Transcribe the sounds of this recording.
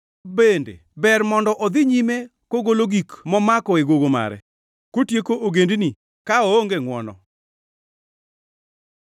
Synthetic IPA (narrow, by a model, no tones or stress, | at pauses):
bendḛ | bɛrmɔndɔʔɔd̪ɪɲime | koɡoloɡikmɔmakɔeɡoɡoma̰ɾɛ̰ | kotjekoʔoɡendni | kaooŋɡeŋwɔnɔ̰